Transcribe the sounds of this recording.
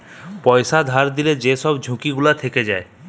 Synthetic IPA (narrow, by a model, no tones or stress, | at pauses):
pɔjsad̪ʱaɾd̪iled͡ʑesɔbd͡ʒʱũkiɡulat̪ʰeked͡ʒae